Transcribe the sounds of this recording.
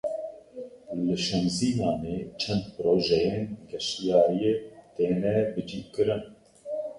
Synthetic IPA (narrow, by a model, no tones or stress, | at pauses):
lɨʃɛnziːnɑːneːt͡ʃʰɛnd̪̚pɨɾoːʒɛjeːnɡɛʃijɑːɾijeːt̪eːnɛbɨd͡ʒiːkɨɾɨn